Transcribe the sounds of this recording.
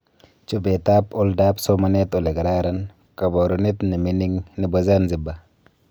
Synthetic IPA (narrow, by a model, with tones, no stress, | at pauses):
t͡ʃu˦be˨ta˦pʊ˦lda˦pso˦ma˨ne˦to˨le˨ɡɾaɾa˦n | ka˨bo˨ɾu˦ne˦tni˨mi˦ni˦ŋni˨bo˦za˦nzi˨ba˨